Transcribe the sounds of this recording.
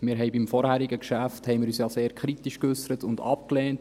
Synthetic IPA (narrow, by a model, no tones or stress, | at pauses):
mɪːɾɦɛɪbimfɔɾhæɾiɡəkʃæfthɛjmɪːɾyːsjɑːseːɾkʰɾitiʃkʏsəɾətʊndɑ̰p̚klɛːnt